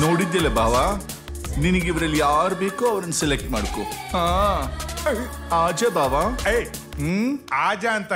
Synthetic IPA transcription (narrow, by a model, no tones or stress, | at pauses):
noːɽid̪ːɐlːɐbaːʋa | ninɐɡeiʋɐɾɐlːijaːɾbe̞ːkuɐʋɐɾɐnːselek̚ʈmaːɽkohãː | aːd͡ʒɐbaːʋaːej | ɦːaːd͡ʒaɐnt̪ɐ